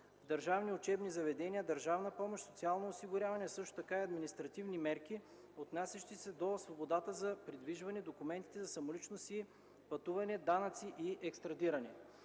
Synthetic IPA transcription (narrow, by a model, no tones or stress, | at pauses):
vd̪ɐɾʒavniʊt͡ʃɛbnizɐvɛd̪ɛnʲiəd̪əɾʒavnəpɔmoʃt̪sot̪sialˠnoːsiɡʊɾʲavɐnɛsɤʃt̪o̥t̪ɐkaiɐd̪minist̪ɾɐt̪ivnimɛɾki | ot̪nasʲɛʃt̪isɛd̪osvobod̪at̪əzɐpɾid̪viʒvɐnɛd̪okumɛnt̪it̪ɛzɐsɐmolit͡ʃnosi | pɐt̪uvɐnɛd̪anɐt̪siʔiʔɛkst̪ɾɐd̪iɾɐnɛ